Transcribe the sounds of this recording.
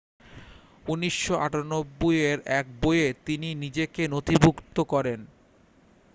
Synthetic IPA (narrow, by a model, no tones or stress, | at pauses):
uniʃːoʔa̰ʈanobːojeɾɛk̚bojet̪ininid͡ʑekenot̪ibʱukt̪okɔɾen